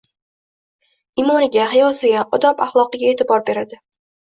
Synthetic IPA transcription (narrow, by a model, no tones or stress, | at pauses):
ɪmɒnɪɡʲaɦɪjɒsɪɡʲaʔɒd̪ɒpaχlˠɒqɨɡʲaet̪ʰɪbɒɾbe̞ɾad̪ɪ